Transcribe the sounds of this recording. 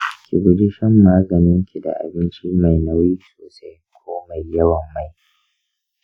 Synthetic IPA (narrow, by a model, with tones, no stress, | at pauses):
kʲʰi˨ɡʊ˨dɪ˦ʃɛ˦mːaː˦ɡɐ˨nɪ˦ŋkʲi˨da̰˨ʔa̰˨bɪ˦nt͡ʃiː˦ma˨jna˦wjiː˦soː˨sa˦jkʷʰoː˦ma˨jjːɐ˦wɐ˨mːa˦˨j